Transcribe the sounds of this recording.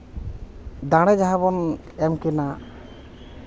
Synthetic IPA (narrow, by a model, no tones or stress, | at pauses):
d̪aɽ̃ɛd͡ʒaɦabɔn | ɛmkɛna